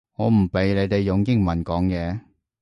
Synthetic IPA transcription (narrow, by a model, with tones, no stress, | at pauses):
ŋɔː˨˧m̩˨˩pe˨˧jle˨˧jt̪e˨jːʊ˨˧ŋkɪ˥ŋmɐ˨˩nkɔː˨˥ŋjɛː˨˧